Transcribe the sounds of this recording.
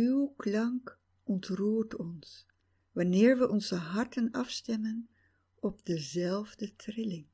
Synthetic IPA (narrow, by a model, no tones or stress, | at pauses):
ywklɑŋk | ɔntruːɹtɔns | ʋɑnɪːɹʋəʔɔnzəɦɑɹtənɑfstɛmən | ɔb̚dəzɛlˠvdətrɪlɪŋ